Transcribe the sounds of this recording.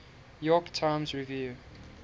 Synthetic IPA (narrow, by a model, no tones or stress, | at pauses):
jɔktʰãɪmsɹivju